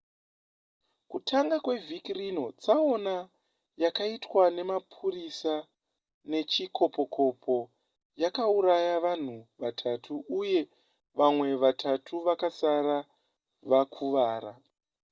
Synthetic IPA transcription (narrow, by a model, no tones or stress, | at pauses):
kutʰaŋɡakwe̞vʱikrino̞t͡sao̞na | jakaitwane̞mapʰurisa | ne̞t͡ʃikʰo̞po̞kʰo̞pʰo̞ | jakauɾajaʋan̤uʋatʰatʰuːje̞ | ʋamwe̞ʋatʰatʰuʋakasaɾa | ʋakʰuʋaːɾa